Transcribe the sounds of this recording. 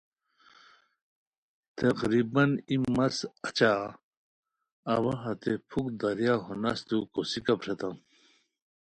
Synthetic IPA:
t̪ɐqɾibɐnimɐsɐt͡ɕa | wɐɦɐt̪epʰukd̪ɐɾjaɦunɐst̪ukosikɐpɾet̪ɐm

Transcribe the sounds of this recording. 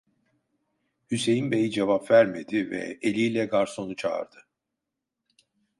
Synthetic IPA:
hyse̞jinbejid͡ʒevapvæɾmed̪ivɛ̰elʲiːlʲɛɡaɾso̞nut͡ʃʰa̰ːɾd̪̥ɯ

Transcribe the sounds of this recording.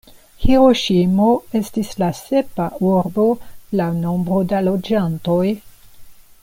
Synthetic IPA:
heɾo̞ʃimo̞e̞stislase̞pauɾbo̞lawno̞mbɾo̞dalo̞d͡ʒanto̞j

